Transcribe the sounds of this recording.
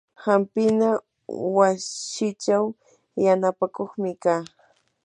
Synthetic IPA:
hampɪna | wasɪt͡ʃaw | janapakoχmɪkaː

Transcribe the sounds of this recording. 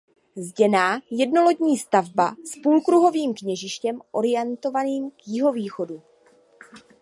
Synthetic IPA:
zɟɛnaːjɛdno̞lo̞ɟɲiːst̪avbaspuːlkɾuɦo̞viːmkɲɛʒɪʃcɛmʔo̞ɾɪjɛnt̪o̞vaniːmkjɪɦo̞viːxo̞du

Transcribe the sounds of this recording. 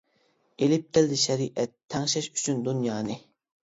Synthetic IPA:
elɪp̚t̪ɪld̪ɪʃɛɾiʔɛt̪ʰːɛŋʃɛʃy̥t͡ʃʰynd̪unjɑːnɨ

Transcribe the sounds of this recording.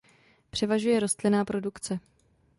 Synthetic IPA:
pr̝̥ɛvaʒujɛɾo̞st̪lɪnaːpɾo̞dukt͡sɛ

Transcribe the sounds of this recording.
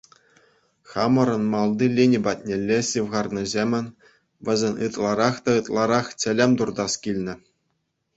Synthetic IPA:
χɑmɤ̆ɾɤ̆nmɑlˠd̪ɯlʲinʲibɑt̚ʲnʲelʲːeɕiʋʁɑrnʲɤ̆zʲemʲɘ̆nʲ | ʋʲɘ̆zʲĕnʲɯt̪lˠɑɾɑχt̪ɑɯt̪lˠɑɾɑχtʲɘ̆lʲĕmʲt̪urd̪ɑskʲilʲnʲɘ̆

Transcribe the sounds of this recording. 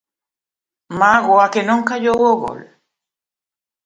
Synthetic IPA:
maɣoakenõŋkaʎoɣoɣo̰l

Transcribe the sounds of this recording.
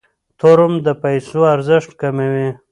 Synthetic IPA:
t̪ʰoɾʊmd̪əpajsoaɾzɪʂʈkamewi

